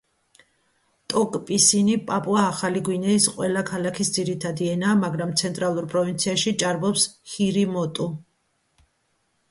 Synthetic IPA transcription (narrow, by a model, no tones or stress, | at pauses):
t̪ʼɔkʼpʼisinipʼapʼuaːχaliɡwinɛisqʼwɛlakʰalakʰisd̪ziɾit̪ʰad̪iɛnaːmaɡɾamt̪sʰɛnt̪ʼɾalˠuɾpʼɾɔvint̪sʰiaʃit͡ʃʼaɾbɔpshiɾimɔt̪ʼu